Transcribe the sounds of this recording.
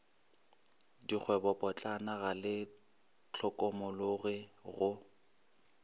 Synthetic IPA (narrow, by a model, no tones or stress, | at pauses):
dik͡xʰwɛbɔpʼɔt͡ɬʼanaɣalɪ | t͡ɬʰɔkʼɔmʊlʊɣɪɣʊ